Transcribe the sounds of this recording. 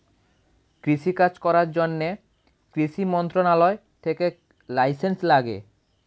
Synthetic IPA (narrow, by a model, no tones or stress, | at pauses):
kɾiʃikad͡ʑkɔɾaɾd͡ʑonːe | kɾiʃimɔnt̪ɾonalɔe | t̪ʰeke | lajsenslaɡḛ